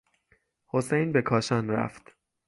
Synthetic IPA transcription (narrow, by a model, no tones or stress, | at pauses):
hosejnbe̞kʰɒːʃɒːnɾæ̰ft̪